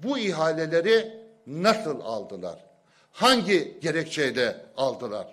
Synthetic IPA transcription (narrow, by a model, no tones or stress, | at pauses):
buiɦaːlʲelʲeɾi | nasɯlˠa̰lˠd̪ɯlˠa̰ɾ̥ | haɲɟiɟeɾɛct͡ʃʰejlʲɛalˠd̪ɯlˠaɾ̥